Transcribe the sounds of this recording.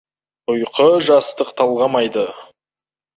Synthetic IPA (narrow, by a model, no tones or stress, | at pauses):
ʊjqʰəʒɑst̪əqt̪ʰɑlˠʁɑmɑjd̪ə